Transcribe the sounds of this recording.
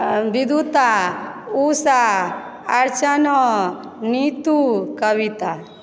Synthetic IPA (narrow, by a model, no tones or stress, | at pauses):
bid̪ʱut̪ausa | aɾt͡ʃanɔ | nit̪ukəwit̪a